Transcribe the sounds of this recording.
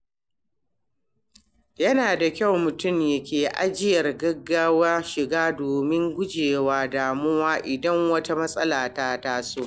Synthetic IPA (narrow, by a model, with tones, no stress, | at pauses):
jɐ˦naː˨da˨kʲa˦˨wmʊ˨tʊ˦˨mjɐ˨kʲeː˨ʔa˦d͡ʒɪ˦jɐ˨rɡɐ˦ɡːaː˦wa˦ʃɪ˨ɡaː˦doː˨mɪ˦ŋɡʷʊ˦d͡ʒeː˨waː˦daː˨mʊ˦waː˦ʔɪ˨dɐ˦ŋwɐ˦ta˦mɐ˦sʼɐ˦laː˨ta˦taː˦soː˦˨